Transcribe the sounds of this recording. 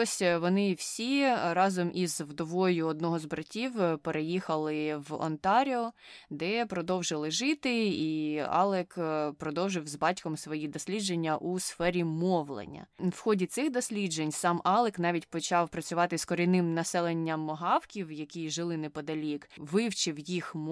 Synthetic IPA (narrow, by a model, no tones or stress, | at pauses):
ɔsʲʋɔnɪwsʲiɾɑzɔmʔizwd̪ɔʋɔjʊɔd̪nɔɦɔzbɾɐtʲiwpeɾʔejixɐlˠɪʋɔ̰nt̪ɑɾʲiɔ | d̪ɛpɾɔd̪ɔwʒɪlˠɪʒɪt̪ɪiɑ̰lˠɛkpɾɔd̪ɔwʒɪwzbɑtʲkɔmsʋɔjid̪ɔsʲlʲidd͡ʒenʲːɐʔusfɛɾʲimɔwlˠḛnʲːɐ̰wxɔdʲit̪sɪxd̪ɔsʲlʲidd͡ʒenʲsɑmʔɑlˠɛknɑʋʲitʲpɔt͡ʃɑwpɾɐt͡sʲʊʋɑt̪ɪskɔɾʲɪjnɪmnɐsɛlˠenʲːɐmːɔɦɑwkʲiwjɐkʲiʒɪlˠɪnɛpɔd̪ɐlʲikʋɪwt͡ʃɪwjixm